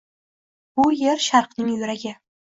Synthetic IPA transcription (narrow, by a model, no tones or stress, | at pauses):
bʊje̞ɾʃaɾqnɪŋjɵɾaɡʲɪ